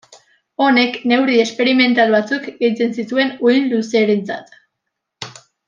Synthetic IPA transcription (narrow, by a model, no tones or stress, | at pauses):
o̞ne̞kne̞wɾie̞spe̞ɾime̞nt̪alβat͡sukɡe̞jt͡se̞nsit̪ue̞nujnluseːɾent͡sa̰t̪